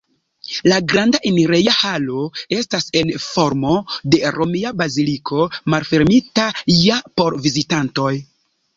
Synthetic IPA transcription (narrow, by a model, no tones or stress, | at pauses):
laɡɾandaʔiniɾejahalo̞e̞stase̞nfo̞ɾmo̞de̞ɾomiabazilikʰo̞malfe̞ɾmitaijapo̞ɾvizitanto̞j